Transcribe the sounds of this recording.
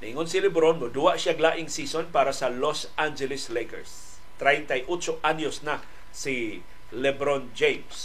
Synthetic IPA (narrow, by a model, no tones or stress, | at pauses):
naʔiŋonsilɛbɾonmʊd̪uwaʔʃjaɡlaːʔɪŋsiːsonpaːɾasalos | and͡ʒɛlɪslejkɛ̰ɹs | t̪ɾajt̪ajʔut͡ʃʊʔanjʊsna | si | lɛbɾond͡ʒejms